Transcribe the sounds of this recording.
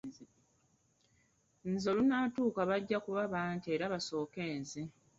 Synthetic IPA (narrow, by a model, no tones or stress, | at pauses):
nzolunaːtuːkaβaɟːakuβaβaːɲtie̞ːɾaβaso̞ːke̞ːnzi